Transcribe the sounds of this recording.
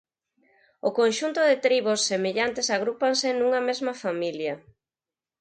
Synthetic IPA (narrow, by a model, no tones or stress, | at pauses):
ʊkonʃunt̪ʊðɪt̪ɾiβʊsːemeʎant̪esaɣ̞ɾupansɪnuŋɐmezmɐfamiljɐ